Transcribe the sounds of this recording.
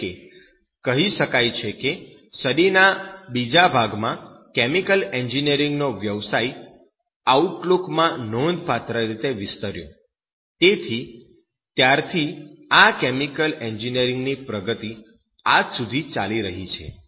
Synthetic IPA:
ke | kəɦiʃəkajt͡ʃʰeke | səɗinabid͡ʒabʱaɡmãkɛmikəleɲd͡ʒinijəɾiŋɡnoʋjəʋsaj | auʈlukmãnond̪pat̪ɾəɾit̪eʋɪst̪əɾjo̰ | t̪et̪ʰi | t̪jaɾt̪ʰiakemikəleɲd͡ʒinijəɾiŋɡnipɾəɡət̪i | ad͡ʒsud̪ʱit͡ʃaliɾəɦit͡ʃʰḛ

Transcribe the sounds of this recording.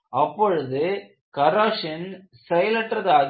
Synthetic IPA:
ɐpːɔɻɯðɯ | kɐɾaːʂɐn | sɛjɐlɐʈːrɐðaːð

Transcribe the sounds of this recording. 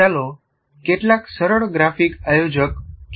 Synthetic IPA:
alo | keʈlaksəɾəɽɡɾafikajod͡ʑəkː

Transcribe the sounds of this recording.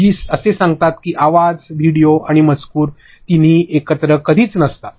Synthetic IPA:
iːsəsesãŋɡt̪at̪kiːʔaʋad͡zʋiɽijoaɽ̃imət͡skuːɾ | t̪iniːekət̪ɾəkəd̪ʱiːt͡snəst̪a

